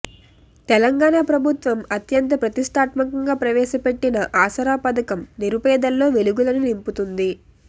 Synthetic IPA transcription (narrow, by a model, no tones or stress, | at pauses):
t̪ɛlɐŋɡaːɳaːpɾɐbʱut̪ʋɐmɐt̪jɐnt̪̬ɐpɾɐt̪iʂʈ̪ʰaːt̪mɐkɐŋɡaːpɾɐʋɛːʃɐpe̞ʈːinɐʔaːsɐɾaːpɐd̪ɐkɐmniɾupɛːd̪ɐlːo̞ːʋe̞luɡulɐninimput̪und̪i